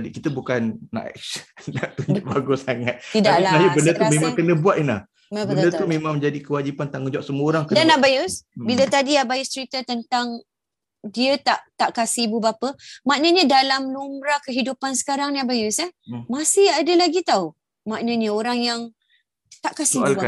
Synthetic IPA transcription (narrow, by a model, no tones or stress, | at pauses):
dikit̪əbukanːa̰ʔsnaʔt̪uɲd͡ʒʊʔbaɡusaŋat̪̚idaʔilaajubəndət̪umẽmãŋkənəbuat̪̚inlah | mabəət̪nət̪umemãŋmə̃ɲd͡ʒadikəwad͡ʒipant̪aŋəd͡ʒɔʔsəmuoɾaŋkədanaʔbajusbilət̪adiabajʊst͡ʃəɾit̪ət̪ənt̪aŋ | diət̪aʔt̪aʔkasibubapəmaʔnəɲə̃dalamnumɾakəɦidupansə̥kaɾaŋnabajusamasɪhadəlaɡit̪au | maʔnəɲəoɾaŋjaŋ | t̪aʔkasialaa